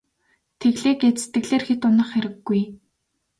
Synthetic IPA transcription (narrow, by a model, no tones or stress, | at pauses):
t̪ʰeɣɮeːket͡st̪ɘ̆ɣɮeːrxet̪ʊnə̆χxeɾɘ̆ɡːuj